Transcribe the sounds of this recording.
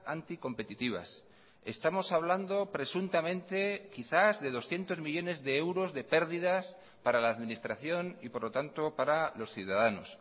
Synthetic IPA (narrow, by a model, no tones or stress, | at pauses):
ant̪iko̞mpe̞t̪it̪iβ̞a̰s | e̞st̪amo̞saβ̞land̪o̞pɾe̞sunt̪amẽ̞nt̪e̞kiθazðe̞ð̞o̞sθje̞nt̪o̞zmiʝo̞ne̞zðe̞ewɾo̞zðe̞pe̞ɾðiðas | paɾalaːðmĩnist̪ɾaθjo̞nipo̞ɾlo̞t̪ant̪o̞paɾalo̞sθjuðaðano̞̰s